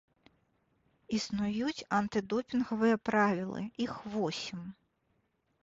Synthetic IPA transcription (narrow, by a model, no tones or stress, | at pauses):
isnʊjutʲɐnt̪ɪd̪ɔpʲinɦɔʋɛɛpɾɑʋʲilˠɪ̰ixʋɔsʲim